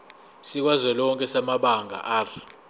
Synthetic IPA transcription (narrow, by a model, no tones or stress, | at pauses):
sik̬wazwɛlɔŋkʼɛsamaɓaŋɡʱa̰ʔar